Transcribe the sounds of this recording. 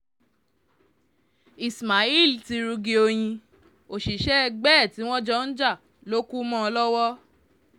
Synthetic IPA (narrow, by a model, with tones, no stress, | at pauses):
i˨sma˨i˦˨lti˧ɾu˧ɡi˧o˧j̃ĩ˧ | o˨ʃi˨ʃɛ˦ɛ˧ɡ͡bɛ˦˨ti˨˦w̃ɔ̃˦d͡ʒɔ˦n̩˦d͡ʒa˦˨ | lo˦ku˦mɔ̃˦ɔ˧lɔ˦wɔ˦